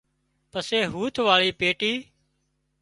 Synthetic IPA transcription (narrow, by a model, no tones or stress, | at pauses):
pəseːɦuːt̪ʰʋaːɭiːpeːʈiː